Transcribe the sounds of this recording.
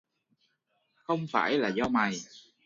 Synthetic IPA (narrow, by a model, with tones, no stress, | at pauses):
xə˧wŋ͡mfa̰ː˧˩jlaː˨˩zɔ˧ma˨˩j